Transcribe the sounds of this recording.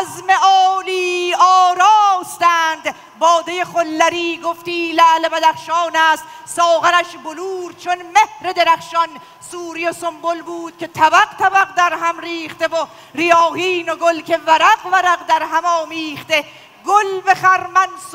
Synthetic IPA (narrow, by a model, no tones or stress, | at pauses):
zmeɒːliːɒːɾɒːst̪æːnd̪ | bɒːd̪ejeχolːæɾiːɡoft̪iːlælebæd̪æχʃɒːnæːst̪sɒːɣænæʃboluːɾ̚t͡ʃʰonmehɾe̞d̪e̞ɾæχʃɒn | suːɾijosombolbuːd̪̥kʲʰe̞t̪ʰæbæqt̪ʰæbæqd̪æɾɦæmɾiːχt̪evo | ɾijɒːhiːno̞ɡolkʰe̞væɾæqvæɾæqd̪æɾɦæmɒːmiːχt̪e | ɡolbeχæɾmæns